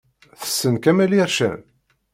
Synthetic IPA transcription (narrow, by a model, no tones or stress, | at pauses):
θə̥sːənkæmæliɾʃæ̰n